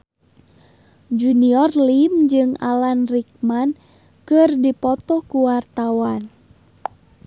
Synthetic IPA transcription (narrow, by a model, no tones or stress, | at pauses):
d͡ʒuniɔrlimd͡ʒɨŋa̰lanrik̚man | kɨrdipɔt̪ɔkuwart̪awan